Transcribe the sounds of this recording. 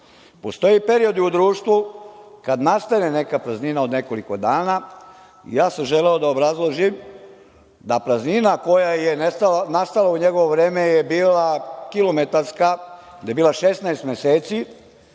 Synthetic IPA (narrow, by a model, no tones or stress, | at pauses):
po̞st̪o̞jipe̞ɾio̞d̪iud̪ɾuːʃt̪ʋukad̪nast̪anene̞kapɾazninaod̪ne̞ko̞liko̞d̪aːna | ḭjaːsamʒe̞leo̞d̪aobɾazlˠoʒim | d̪apɾazninako̞jajenest̪alanast̪alauɲe̞ɡo̞ʋoʋɾe̞ːmejebiːlakilo̞me̞t̪aɾskad̪ajebiːlˠaʃesnaest̪mjeseːt̪si